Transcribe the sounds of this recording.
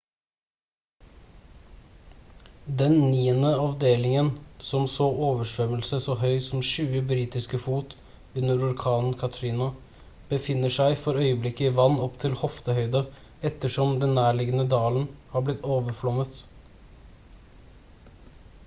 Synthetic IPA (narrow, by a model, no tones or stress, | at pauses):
d̪ɛnniːənəɑʋd̪eːlɪŋənsɔmsoːʔoːʋəʂʋœməlsəsoːɦœʏsɔmʃʉːəbɾiːt̪ɪskəfuːt̪ | ʉnəɾʊɾkʰɑːnn̩kʰɑt̪ʰɾɪːnʊ | b̥əfɪnːəʂæɪfɔɾœʏəblɪkːəɪʋɑnːɔpt̪ʰɪlhɔft̪əhœʏd̪ə | ɛt̪ːəʂɔmd̪ɛnːæːɭɪɡənəd̪ɑːlənhɑːblɪt̪ːoːʋəɾflɔmət̪